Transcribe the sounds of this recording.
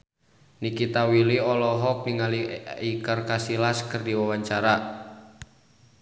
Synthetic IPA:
nikit̪awiliɔlɔɦɔk̚niŋaliikərkasilaskərdiwawaɲt͡ʃaɾa

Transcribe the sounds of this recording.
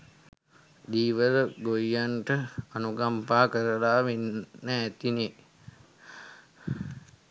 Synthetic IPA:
d̪iːʋədəɡojjaɳʈəanuɡampaːkəɾəlaːʋenːəːt̪ine

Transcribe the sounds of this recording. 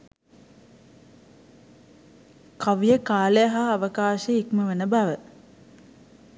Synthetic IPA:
kaʋjəkaːlejaɦaːʋəkaːʃəikməʋənəbaʋə

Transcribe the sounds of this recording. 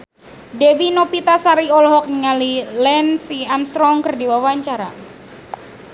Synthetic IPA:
dewinopit̪asaɾiɔlɦɔk̚nəŋalilɛnsiamst̪ɾɔŋkərdiwawaɲt͡ʃaɾa̰

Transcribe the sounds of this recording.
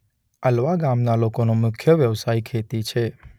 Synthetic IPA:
əlʋaɡamnalokonomʊkʰjəʋjəʋsaikʰet̪it͡ʃʰe

